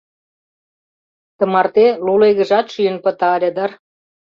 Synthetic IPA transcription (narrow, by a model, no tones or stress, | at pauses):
t̪ə̆mɑrt̪eluleɣə̆ʒɑt̪ʃyjənpə̆t̪ɑlʲed̪ɑr